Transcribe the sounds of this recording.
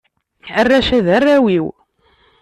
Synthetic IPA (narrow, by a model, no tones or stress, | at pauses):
ərːæʃæðərːæwiw